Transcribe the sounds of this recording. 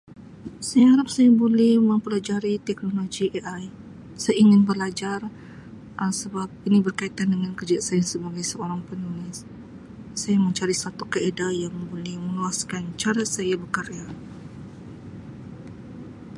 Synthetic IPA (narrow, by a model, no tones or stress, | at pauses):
sajahaɾap̚sajabolɛhməmpəlad͡ʒaɾit̪ɛk̚noloɡieʔaj | sajaiŋɪnbəlad͡ʒar | ʔəsəbap̚inibərkait̪andəŋankərd͡ʒasajasəbaɡajsəoɾaŋpənulɪsː | ajaməɲt͡ʃaɾisat̪ukaedajaŋbolɛhməluaskant͡ʃaɾasajabəkəɾea